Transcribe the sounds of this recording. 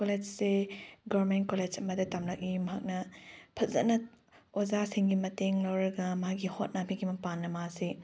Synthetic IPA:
koled͡ʒseɡoɾmentkoled͡ʒɐmɐdɐtamlɐk̚imɐɦak̚nɐpʰɐzɐ̰nɐ | ozasiŋɡimɐteŋlɐwɾɐɡɐmɐɦaɡihot̚napʰiɡimɐpanːɐmasi

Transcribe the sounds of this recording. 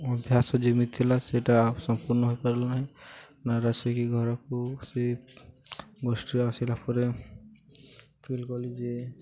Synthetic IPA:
ɔbʱjasɔd͡ʒemit̪ʰːilaseʈaːpsɔmpuɾnɔɦoipəɾlaɦɛ | naɾasekiɡʱɔɾɔkose | ɡɔsʈiasilapʰɔɾe | pʰilkɔlid͡ʒe

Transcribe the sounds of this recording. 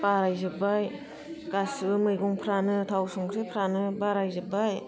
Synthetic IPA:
baɾajzɯbaj | ɡasɯbɯmɯjɡɔŋpʰɾanɯtʰawsɔŋɡɾepʰɾanɯbaɾajzɯbaj

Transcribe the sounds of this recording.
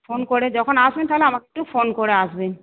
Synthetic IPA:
fonkoɾed͡ʑɔkʰonaʃbent̪aɦoleamakeek̚ʈufonkoɾeaʃben

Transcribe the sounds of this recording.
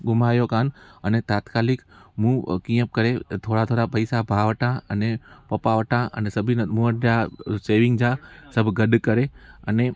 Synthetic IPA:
ɡʊmaːjokaːnənet̪aːt̪kaːlɪkmũːkĩjə̃p̚kəɾet̪ʰoːɽat̪ʰoːɽapəɪsabʱaʋəʈʰãənepɐpaʋəʈʰãʔə̰nesəbʱinəmuəʈjaseːʋɪ̃ŋɡd͡ʒãsəbʱɡəɗkəɾeəne

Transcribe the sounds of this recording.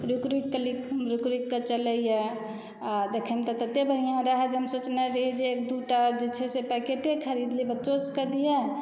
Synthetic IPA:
ɾukɾikːəlikɦmɾukɾikːət͡ʃələije | d̪ekʰemt̪ɔt̪ət̪ːebəɽijãɾəɦɛd͡ʒeɦəmsot͡ʃnaɾəɦid͡ʒeːk̚d̪uʈad͡ʒet͡ʃʰɛsepɛkeʈekʰəɾid̪libətːt͡ʃoskəd̪ijɛ

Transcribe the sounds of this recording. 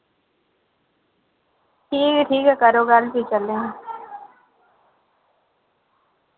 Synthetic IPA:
ʈʰiːkʈʰiːkɛkəɾoːɡalpit͡ʃəlːẽ

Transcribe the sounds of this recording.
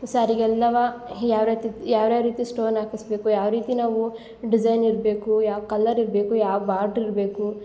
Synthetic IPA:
saːɾiɡɛlːɐʋajaːʋɾeːt̪ijaːʋɾaːʋɾiːt̪isʈoːnaːkisbe̞ːkujaːʋɾiːt̪inaːʋu | ɖid͡ʒɐjniɾbe̞ːkujaːʋkɐlːɐɾiɾbeːkujaːʋbaːɾɖɾiɾbe̞ːku

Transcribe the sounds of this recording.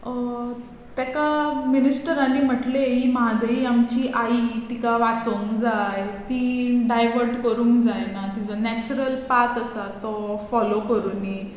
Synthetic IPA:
t̪jakaminisʈəɾanim̤əʈleɦimɦad̪əiamt͡ɕiʔait̪ikaʋat͡səuŋkd͡zajt̪iɖajʋəɾʈkəɾuːŋkd͡zajnat̪id͡zɔnɛt͡ɕuɾəlpaɾt̪əsat̪ɔfɔlokəɾuːni

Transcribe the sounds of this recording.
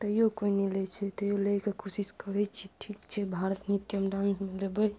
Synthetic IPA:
t̪əjokoinilet͡ʃʰɛt̪əjolejkekʰosiskəɾɛt͡ʃʰiʈʰikt͡ʃʰɛbʱaɾət̪nit̪əmɖãnsmelebəj

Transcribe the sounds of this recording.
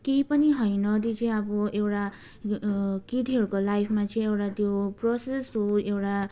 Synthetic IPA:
kejpʌniɦʌjnʌd̪it͡sʌjabɔewʈa | kid̪iɦʌɾukolajpʰmat͡sʌj̃ewʈat̪joprɔsesuewʈa

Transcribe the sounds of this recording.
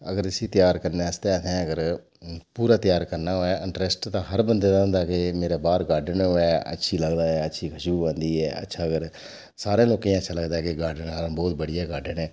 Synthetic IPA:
əɡəɾɪsiːt̪ɪjaːɾkəɾneːst̪ẽːt̪ʰɛ̃ːəɡəɾ | puːɾaːt̪jaːɾkəɾnaːɦoːɛːʔɪɳʈɾesʈt̪ãːɦəɾbənd̪eːd̪ãːnd̪aːkeːmeːɾeːbaːɾɡaːɖənɦoːɛːə̰tːʃʰiːləɡd̪aːɛːətːʃʰiːkʰəʃuːʋãːnd̪iːɛːə̰tːʃʰaːəɡəɾ | saːɾẽːloːkẽːətːʃʰaːləɡd̪aːɛkɪɡaːɖəɳaːɾbɔːt̪̚bəɽijaːɡaːɖənɛː

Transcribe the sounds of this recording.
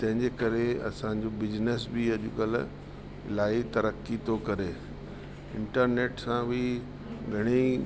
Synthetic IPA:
t̪ɐ̃ɦɪ̃ɲd͡ʑekɐɾeɐ̰sã̆d͡ʑobɪd͡ʑnes̬biɐʄʊkɐl̰ | ɪlaːit̪ɐɾəkːit̪ʰokɐɾeː | ɪ̃ɳʈəɾneːʈsãbi | ɡʱɐɽ̃i

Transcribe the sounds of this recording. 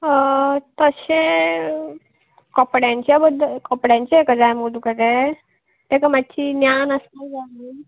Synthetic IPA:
t̪əse | kəpɽjãɲt͡ɕebəd̪ʱkəpɽjãɲt͡ɕekəd͡zajmud̪ukəɾe | t̪ekəmat̚ːt͡ɕinjanəsad͡zali

